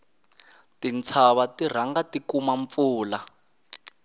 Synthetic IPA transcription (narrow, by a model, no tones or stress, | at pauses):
tint͡sʰaβatir̤aŋɡatikumaɱp̪fuːla